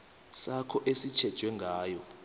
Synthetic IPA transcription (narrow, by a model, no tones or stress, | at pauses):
sakʰɔʔesit͡ʃʰɛd̥ʒ̥ʱwɛŋɡʱaːjɔ